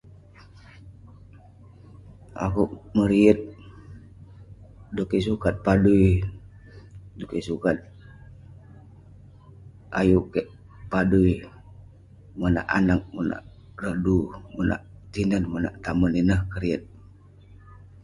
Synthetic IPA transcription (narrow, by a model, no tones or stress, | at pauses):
a̰kuʔməɾiət̪̚ | dokisukat̪̚paduj | dukisukat̪̚ | a̰jukeʔ | padui | mona̰ʔa̰nak̚mona̰ʔ | rədumona̰ʔ | t̪inənməna̰ʔt̪aməninəhkəɾiət̪̚